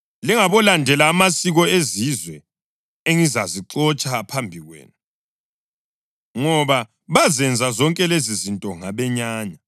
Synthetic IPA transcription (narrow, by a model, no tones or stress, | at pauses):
liŋaβɔlandʱɛlaːmasiɣɔezizwɛ | eŋizaziǁɔt͡ʃʼapʰambʱiɣwḛːnu | ŋɔβa | βazɛnd͡zʱazɔŋkʼɛlezizintʼɔŋaβɛɲaːɲa